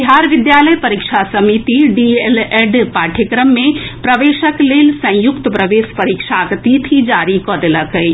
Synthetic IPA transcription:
iɦaːɾʋɪd̪jaːləjpɐɾikʃʰasɐmit̪iɖieleɖpaːʈʰəkɾəmːẽpɾɐʋeːʃəkleːlsɐ̃j̃jʊkt̪pɾɐʋeːspɐɾikʃaɡt̪it̪ʰid͡ʒaːɾikɔːd̪eləkəi

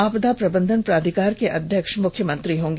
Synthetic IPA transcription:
aːpd̪apɾɐbə̃nd̪ʱənpɾaːd̪ʱikaːɾkeʔɐd̪ʱjəkʃmʊkʰːjəmɐ̃nt̪ɾiɦõːŋɡe

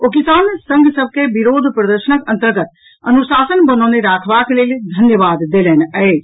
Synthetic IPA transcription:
okisaːnsə̃ŋɡʱsəb̚ʱkebiɾoːd̪ʱpɾəd̪əɾʃənəkənt̪əɾɡət̪ | ənusaːsənbənɔneɾakʰbakleld̪ʱənjəʋaːd̪d̪ːelɛnəed͡ʒ

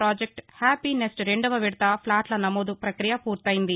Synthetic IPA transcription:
ɾaːd͡ʒek̚ʈhaːpinesʈɾeɳɖɐʋɐʋiɽut̪ɐpʰlaːʈlɐnɐmoːd̪upɾɐkɾijɐpuːɾt̪ɐjind̪i

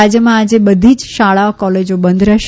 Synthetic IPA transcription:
ad͡ʒjəmãad͡ʒebəd̪ʱid͡ʒʃaɭaokɔled͡ʒobənd̪ʱɾəʃ

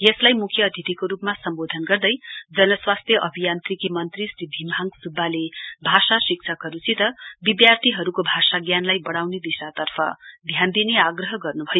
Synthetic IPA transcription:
jʌslajmukʰjʌːd̪ʱit̪ikoɾupmasʌmbod̪ʱʌnɡʌrd̪ʌjd͡zʌnʌswast̪ʰjʌʔʌbʱijant̪rikimʌnt̪risribʱimʱaŋɡsubːalebʱasasik̚sʰʌkɦʌɾut͡sit̪ʌbib̪jart̪ʰiɦʌɾukobʱasaɡjanlajbʌɽawned̪isat̪ʌrpʰʌ̰d̪ʱjand̪ineaɡrʌɦʌɡʌrnubʱʌjo

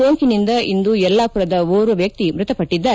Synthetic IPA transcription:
oːŋkinind̪ɐʔind̪uɛlːaːpuɾɐd̪ɐoːɾuʋjɐk̚t̪imɾʊt̪ɐpɐʈːid̪ːaː

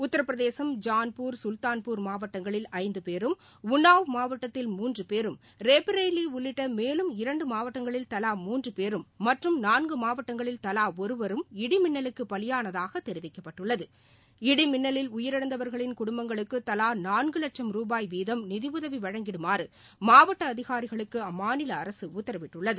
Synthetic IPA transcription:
ʊt̪ːɐɾɐpːɾɐðeːsɐmd͡ʒaːnpuːɾsʊlt̪aːnpuːɾmaːʋɐʈːɐŋɡɐɭɪlɐɪnd̪ɯpeːɾɯm | ʊnːaːʋmaːʋɐʈːɐt̪ːɪlmuːndrɯpeːɾɯm | ɾeːpɾeɪliʊɭːɪʈːɐmeːlɯmɪɾɐɳɖɯmaːʋɐʈːɐŋɡɐɭɪlt̪ɐlaːmuːndrɯpeːɾɯmːɐʈrɯmnaːnɡɯmaːʋɐʈːɐŋɡɐɭɪlt̪ɐlaːɔɾɯʋɐɾɯmɪɽɪmɪnːɐlɯkːɯpːɐɭɪjaːnɐðaːɣɐt̪ɛɾɪʋɪkːɐpːɐʈːɯɭːɐðɯ | ɪɽɪmɪnːɐlɪlʊjɪɾɐɽɐnd̪ɐʋɐɾɣɐɭɪnkʊɽʊmbɐŋɡɐɭɯkːɯt̪ɐlaːnaːnɡɯlɐʈ̚t͡ʃɐmɾuːbaːjʋiːðɐmnɪðɪʋɯðɐʋiʋɐɻɐŋɡɪɽɯmaːɾɯ | maːʋɐʈːɐːðɪɣaːɾɪɣɐɭɯkːɯɐmːaːnɪlɐːɾɐsɯʊt̪ːɐɾɐʋɪʈːɯɭːɐðɯ

